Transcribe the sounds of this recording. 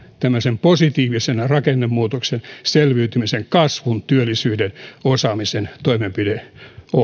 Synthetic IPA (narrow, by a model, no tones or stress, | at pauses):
t̪æmːøsemposit̪iːʋisenrɑkenːemmuːt̪oksenselʋyyt̪ymiseŋkɑsʋunt̪yølːisyːdenosɑːmisent̪oimempideo